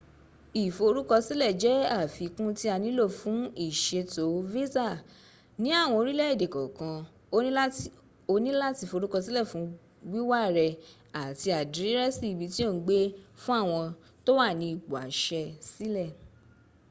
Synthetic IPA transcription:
i˨fo˧ɾu˦kɔ˧si˦lɛ˦˨d͡ʒɛ˨˦a˦˨fi˨˧kũ˦ti˦a˧nĩ˦lo˦˨fũ˨˦i˦˨ʃe˧to˨˦ve˦za˦˨ | nĩ˦a˦˨w̃ɔ̃˧o˧ɾi˦lɛ˦i˦˨de˨kɔ˨kã˧ | õ˧˦ | o˧nĩ˦la˦ti˧˨fo˧ɾu˦kɔ˧si˦lɛ˦˨fũ˨˦ | wi˦wa˦ɾɛ˧ | a˨ti˧a˨di˨ɾi˦ɾɛ˦si˦˨bi˨˧ti˦o˦˨˦ɡ͡be˦fũ˦a˦˨w̃ɔ̃˧ | to˦wa˦˨nĩ˧i˨ɡ͡bu˨a̰˨˦ʃɛ˧si˦lɛ˦˨

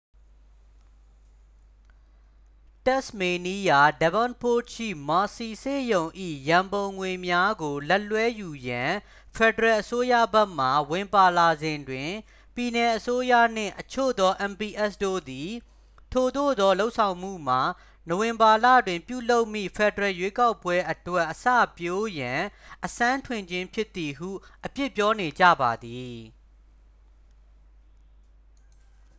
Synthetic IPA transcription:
tɛ˦sme˨ni˦ja˨dɛ˨bɔ̃˦npʰo˦˨ʃʰḭ˦˨ma˨si˨sḛ˦˨jõ˨ʊ̃ʔḭ˦˨jã˨mbõ˨ʊ̃ŋwe˨mja˦ɡo˨lɛ˦ʔlwɛ˦ju˨jã˨ | fʰɛ˨dəɹɛ˨ʔəso˦jä̰˦˨bɛ˦ʔm̥a˨wɪ̃˨mpa˨la˨zɪ̃˨ndwɪ̃˨ | pji˨nɛ˨ʔəso˦jä̰˦˨n̥ɪ̰̃˦˨ʔət͡ɕʰo̰˦˨d̪ɔ˦ʔɛ̃˨mpi˨ʔɛ˦sdo̰˦˨d̪i˨ | tʰo˨d̪o̰˦˨d̪ɔ˦lo˦ʊʔsʰã˨ʊ̃m̥ṵ˦˨m̥a˨ | no˨wɪ̃˨mba˨lä̰˦˨dwɪ̃˨mpjṵ˦˨lo˦ʊʔmḭ˦˨pʰɛ˨dəɹɛ˨jwe˦ka˦ʊpːwɛ˦ʔətwɛ˦ʔəsä̰˦˨pjo˦jã˨ʔəsã˦ntʰwɪ̃˨ɲd͡ʑɪ̃˦mpʰjɪ˦t̪ːi˨ɦṵ˦˨ʔəpjɪ˦ʔpːjɔ˦ne˨d͡ʑä̰˦˨ba˨d̪i˨

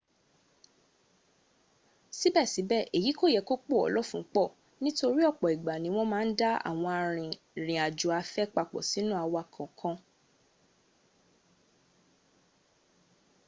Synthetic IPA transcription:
si˦bɛ˦˨si˨˦bɛ˦˨ʔe˨ji˨˦ko˦˨jɛ˨˧ko˦k͡po˦˨ɔ̰˨lɔ˦fũ˨˦k͡pɔ˦˨ | nĩ˦to˧ɾi˦ɔ˦˨k͡pɔ˨i˨ɡ͡ba˨nĩ˨˦w̃ɔ̃˦mãː˦˧n̩˦da˦a̰˦˨w̃ɔ̃˧a˧ɾ̃ĩ˨ | ɾ̃ĩ˨a˨d͡ʒu˨a˧fɛ˦k͡pa˧k͡pɔ̰˨si˨˦nũ˦a˧wa˧kʰɔ̃˨kʰɔ̃˧

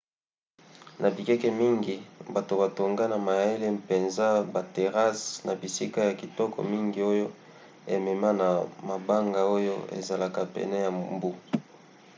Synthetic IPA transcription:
nʔa˨bi˨kɛ˦kɛ˦mi˦ŋɡi˨ba˨to˨ba˨to˨ŋɡa˦na˨ma˨je˦le˦mpe˨nza˦ba˨te˨ʁa˦sna˨bi˨si˦ka˦ja˨ki˨tɔ˦kɔ̰˨mi˦ŋɡi˨o˦jo˦ | e˨mɛ˨ma˦na˨ma˨ba˦ŋɡa˨o˦jo˦ḛ˨za˨la˨ka˨pɛ̰˨nɛ˦ja˨mmbu˦

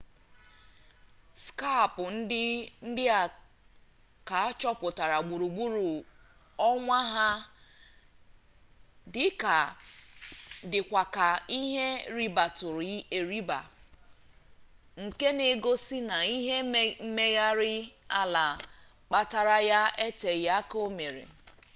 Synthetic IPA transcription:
ska˦˨pʊ˨n̩˦dɪ˦n̩˦dɪ˦a˨ | ka˨˦t͡ʃɔ˦pʊ˨ta˨ɾa˨ɡ͡bu˨ɾu˨ɡ͡bu˦ɾu˨ | ɔ˦ŋʷa˦ɦa˦ | dɪ˦ka˨ | dɪ˨kʷa˨ka˨i˦ɦe˦ɾi˦ba˨tʊ˨ɾe˨ɾi˦ba̰˨ | ŋ̩˨ke˦ne˨ɡo˦si˦na˨i˦ɦe˦m̩˦me˦ja˦ɾɪ˦a˦la˨ | k͡pa˦ta˨ɾa˦ja˦e˦te˨ja˦ko˦me˨ɾḛ˨

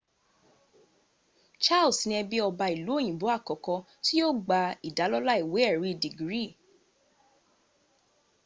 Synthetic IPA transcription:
t͡ʃa˦˨lsĩ˧ɛ˧bi˦ɔ˧ba˧i˨lu˨˦o˦˨j̃ĩ˨bo˨˦a˦˨kɔ˨kɔ̃˧ | ti˦o˦ɡ͡ba˧i˨da˨˦lɔ˦la˦i˦˨we˨˦ɛ˦˨ɾi˨˦i˨di˨ɡɾi˦˨

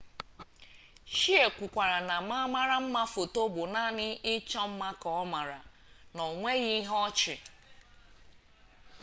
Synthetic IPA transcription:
ʃi˦e˨kʷʊ˨kʷa˨ɾa˨na˨ma˦ma˦ɾa˦m̩˦ma˦fo˨to˦bʊ˨na˦˨nɪ˦ʔɪ˦t͡ʃɔ˦m̩˦ma˦kɔ˨ɔ˦ma˨ɾa̰˨ | nɔ˨ŋʷe˦ɣi˦ɦɔ˦t͡ʃɪ̰˨

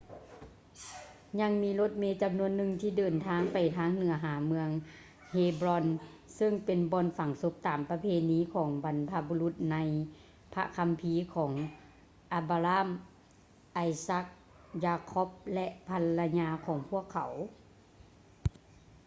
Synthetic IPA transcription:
ɲa˧ŋmiː˧˥lo˧˥˦t̪̚meː˧˥t͡ɕa˨mnu˧ənːɯ˧ŋt̪ʰiː˧˩dɤː˨nt̪ʰaː˧˥ŋpa˨˩jt̪ʰaː˧˥ŋnɯ˨˩˦ɐɦaː˩˦mɯ˧əŋ | heː˧bɾɔ˧n | sɯ˧˩ŋpe˨nbɔː˧˨nfa˨˩ŋso˧˦p̚t̪aː˨˩mpa˧pʰeː˧niː˧˥˨kʰɔː˩˦ŋba˨npʰa˧bu˧lu˧˦t̪̚na˧˥j | pʰa̰˧kʰa˧mpʰiː˧˨kʰɔː˩˦ŋ | ʔa˧baː˧laː˧˥˨m | ʔa˧˩jsa˧˥k̚ | jaː˧kʰɔ˦˥p̚lɛ˧ʔpʰa˧lːa˧ɲaː˧kʰɔː˩˦ŋpʰu˧˥˩əkʰːa˨˩˦w

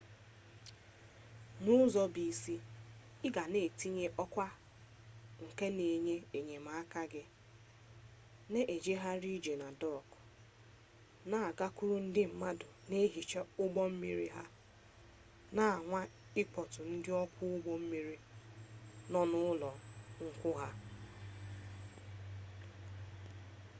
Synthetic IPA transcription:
nʊ˦zɔ˦bi˨si˦ | ɪ˦ɡa˨ne˨ti˦ɲe˦ʔɔ˦kʷa˦ | ŋ̩˨ke˦ne˨ɲe˦e˨ɲe˨ma˨˦a˦ka˦ɡɪ˦ | ne˦ʔe˨d͡ʒe˦ɦa˦ɾi˦d͡ʒe˨na˨dɔ˦˨k | na˦˨a˨ɡa˦kʊ˦ɾʊ˦n̩˦dɪ˦m̩˨ma˦dʊ˨ne˦ɦi˨t͡ʃe˦ʊ˦ɡ͡bɔ˦m̩˦mi˦ɾi˦ɦa˦ | na˨ŋʷa˦ | ɪ˦k͡pɔ˨tʊ˨n̩˦dɪ˦ɔ˦kʷʰʊ˦ʊ˦ɡ͡bɔ˦m̩˦mi˦ɾi˦ | nɔ˨nʊ˦lɔ˨ŋ̩˦kʷʊ˦ɦa˦

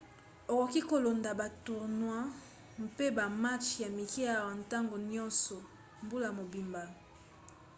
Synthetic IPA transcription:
o˨ko˨ki˦ko˨lo˨nda˨ba˨tu˨ʁnwa˦ | m˦pe˦ba˨ma˦t͡ʃja˨mi˨ki˦a˦˨wa˨n˨ta˦ŋɡo˨ɲɔ̃˦nsɔ˨ | mbu˦la˨mo˨bi˨mba˨

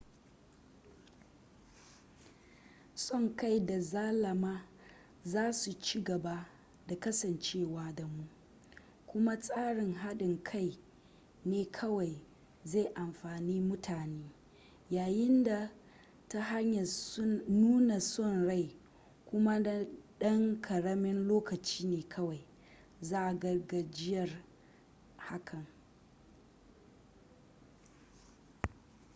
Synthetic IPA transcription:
sʼɔ˦ŋka˦jda˨zaː˦lɐ˨maː˦ | zaː˦su˨t͡ʃiː˦ɡɐ˨ba˦ | da˨kɐ˦sɐ˨nt͡ʃeː˦˨waː˦da˨mu˦ʔ | kʷʊ˦ma˦sʼaː˦ɽɪ˨ŋɦa˦ɗɪ˨ŋkʰa˦˨j | neː˦kʰɐ˦wa˨j | ze˦˨ʔa˨mɸaː˨niː˦mʊ˦tʰaː˨neː˦ | jaː˨jɪ˦nda˨ | ta˦ɦa˦ɲja˨snuː˦na˨sɔ˦˨nɽa˦˨j | kʷʊ˦ma˦da˨ɗɐ˦ŋkʰɐ˨ɽɐ˦mɪ˦nloː˦kɐ˨t͡ʃiː˦neː˨kʰɐ˦wa˨j | zaː˦ʔa˨ɡɐ˨rɡa˨d͡ʒɪ˦jɐ˨r | ha˦kʰɐ˨ŋ

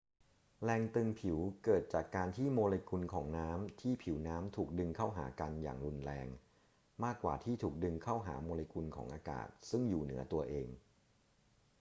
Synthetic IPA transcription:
lɛː˧ŋt̪ɯ˧ŋpʰi˨˩˦wkɤː˨˩t̪̚t͡ɕaː˨˩kːaː˧nt̪ʰiː˥˩moː˧leː˧kʰu˧nkʰɔː˩˦ŋnaː˦˥mt̪ʰiː˥˩pʰi˩˦wnaː˦˥mt̪ʰuː˨˩k̚dɯ˧ŋkʰaː˥˩wɦa̰ː˩˦ka˧nja̰ː˨˩ŋɾu˧nɾɛː˧ŋ | maː˥˩kːwa̰ː˨˩t̪ʰiː˥˩t̪ʰuː˨˩k̚dɯ˧ŋkʰaː˥˩wɦa̰ː˩˦moː˧le˧kʰu˧nkʰɔ̰ː˩˦ŋʔaː˧ka̰ː˨˩t̪̚sɯ˥˩ŋjuː˨˩nɯ˩˦ɐt̪u˧ɐʔeː˧ŋ

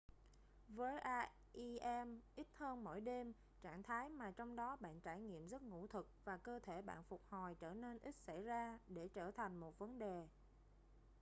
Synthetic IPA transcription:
vəː˨˦jʔaː˧ | ʔi˧ʔɛ˧mʔi˦˥t̚həː˧nmo̰˧˩˨jɗe˧m | t͡ɕaː˧˩˨ŋt̪ʰaː˨˦jmaː˨˩t͡ɕɔ˧wŋ͡mɗɔ˨˦ɓa̰ː˧˨nt͡ɕaː˧˩jŋḭ˧˨əmzə˦˥t̚ŋṵ˧˥t̪ʰɨ˨˩k̚vaː˨˩kəː˧t̪ʰe˧˩ɓa̰ː˧˨nfʊ˨˩k͡p̚hɔ˨˩jt͡ɕəː˧˩ne˧nʔi˦˥t̚sa˧˩jzaː˧ɗe˧˩t͡ɕəː˧˩t̪ʰa˨˩jŋ̟mo˨˩t̚və˨˦nɗe˨˩

